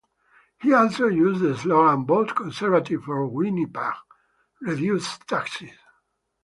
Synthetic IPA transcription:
hiɔlˠsojuzdəslolãnbotkɔ̃nsɛɹvativfɔɹwinipaʁ | ɹivjust̪ʰaksis

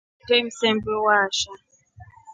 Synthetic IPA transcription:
tem̩sɛmbewaʃa

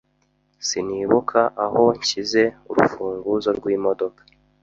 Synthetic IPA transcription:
siniːβukʰaʔaho̞ɲcize̞uɾṵfuːŋɡuzo̞ɾɡwiːmo̞do̞kḁ

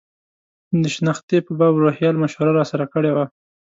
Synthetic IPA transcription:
d̪əʃnɑxt̪epəbɑbɾohjɑlmaʃhʊɾaɾɑsaɾakəɽewa

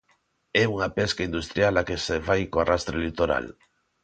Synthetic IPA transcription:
ɛuŋapɛskaind̪ust̪ɾjalakesefajkoarast̪ɾelit̪oɾa̰l

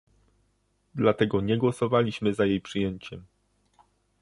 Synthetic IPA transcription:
d̪lat̪ɛɡɔɲɛɡwɔsɔvalʲiɕmɘzajejpʂɘjeɲt͡ɕɛm

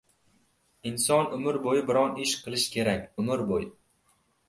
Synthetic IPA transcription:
ɪnsɒnʊmɪɾbojɪbɪɾɒnɪʃqʰɨlˠɪʃkʲʰe̞ɾakʲʊmɪɾboj

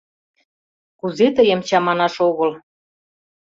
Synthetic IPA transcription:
kuzet̪əjə̆mt͡ɕɑmɑnɑʃoɣɤ̆l

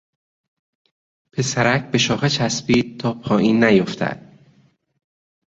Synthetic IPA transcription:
pʰe̞sæɾækʰbe̞ʃɒːxet͡ʃʰæsbiːd̪̚t̪ʰɒːpʰɒːʔiːnːæjoft̪ʰæ̰d̪̥

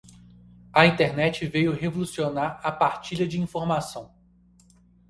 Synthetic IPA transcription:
ɐĩnt̪eɾnɛt͡ʃɪvejʊɦevolusionaɾɐpaɾt͡ʃiʎɐd͡ʒɪĩfoɾmasɐ̃w̃

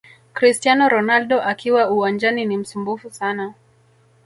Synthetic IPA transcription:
kɾistianɔɾɔnalɗɔʔakiwauwand͡ʒaninim̩sumbufusana

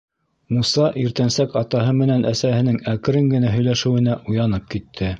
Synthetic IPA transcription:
musɑʔiɾt̪ænsækɑt̪ɑɦɤmɘ̆nænʔæsæhɘ̆nɘŋækɘ̆ɾɘŋɡɘ̆næɦɵ̆jlæʃɘ̆wɘ̆næʔujɑnɤp̚kit̪ʰːɘ

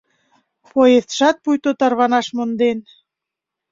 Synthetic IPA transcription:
poesʃɑt̪̚pujt̪ot̪ɑrβɑnɑʃmond̪en

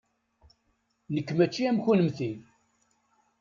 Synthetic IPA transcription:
nəkːmæt͡ʃːiæmçunəmθin

